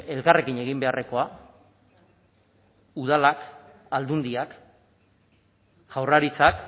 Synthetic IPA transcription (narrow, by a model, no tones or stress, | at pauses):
e̞lkare̞kiɲe̞ɣimbe̞are̞ko̞a | uð̞alak | ald̪und̪iak | ʝ̥awraɾit͡sak